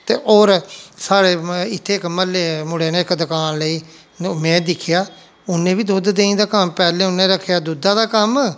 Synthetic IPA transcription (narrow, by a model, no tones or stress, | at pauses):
t̪ḛːʔoːɾsaːɽeːɪt̪ʰːeːɪkməlːeːmʊɽeːnẽːɪkd̪əkaːnləiː | mɛ̃ːd̪ɪkʰɪjaː | ʊnːẽːbiːd̪ʊd̪d̪eːĩd̪aːkəmpɛːlẽːʊnːẽːɾəkʰːjaːd̪ʊd̪aːd̪aːkəm